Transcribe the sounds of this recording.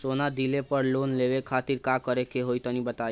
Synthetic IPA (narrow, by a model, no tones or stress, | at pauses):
sonad̪ilepəɾloːnleʋekʰat̪iɾkakəɾekeɦojt̪ənibət̪a